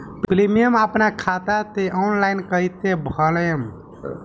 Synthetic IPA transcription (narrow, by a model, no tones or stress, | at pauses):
pplimijəməpnakʰat̪at̪eʔɔnlajnkəjt̪ebʱəljəm